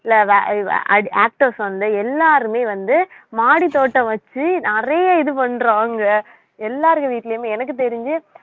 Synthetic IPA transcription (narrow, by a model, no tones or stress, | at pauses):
ɪlːɐ̰ɐ̰aːk̚ʈɐɾsʋɐnd̪ɯɛlːaːɾɯmeːʋɐnd̪ɯmaːɽit̪oːʈːɐ̃ʋɐt͡ʃːɯnɪrɐjɐɪðɯpɐɳɾaːŋɡɐ | ɛlːaːɾɯɣɐʋiːʈːlɐjʊmeːɛnɐk̬ːɯt̪̬ɛɾɪɲd͡ʒɯ